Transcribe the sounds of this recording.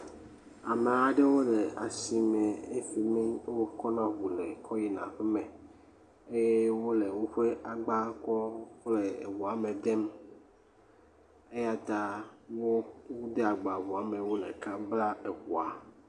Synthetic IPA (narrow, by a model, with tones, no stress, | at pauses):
a˨me˨a˨ɖe˦wo˦le˨a̰˨si˨me˨e˦fi˨mĩ˦wo˦kɔ˦nã˦βu˨le˨kʰɔ˦ji˨nã̰˨ɸe˦mɛ˨ | e˦je˦wo˦le˨ŋũ˦ɸe˦a˨ɡ͡ba˦kɔ˦xle˨ḛ˨wu˨a˨mẽ˨d̪e˦m | e˦ja˦t̪a˦wo˦pu˦d̪e˦a˨ɡ͡ba˨βu˨a˨mẽ˨wo˦lḛ̃˨ka˦bla˦e˨ɸu˨a˨